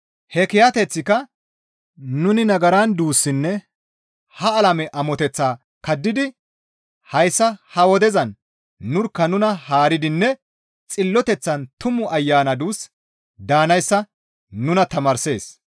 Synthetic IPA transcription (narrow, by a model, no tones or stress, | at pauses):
hɛkɪjɐt̪ɛt͡sːɪkɐ | nʊnɪnɐɡɐɾand̪uːsːɪnːɛ | hɐːlɐmɛʔɐmɔt̪ɛt͡sːaː | kɐd̪ːɪd̪ɪ | hɐjsːɐhɐwɔd̪ɛzɐnː | ʊɾkːɐnʊnɐhaːɾɪd̪ɪnːɛ | t͡sʼɪlːɔt̪ɛt͡sːɐnt̪ʊmʊʔɐjːaːnɐd̪uːs | d̪aːnɐjsːɐ | nʊnɐt̪ɐmɐɾse̞̰ːs